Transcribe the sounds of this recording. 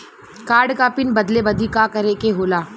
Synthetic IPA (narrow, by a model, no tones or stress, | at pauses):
kaːɾɖkapɪnbɐd̪lebɐd̪ikakɐɾekeɦoːlaː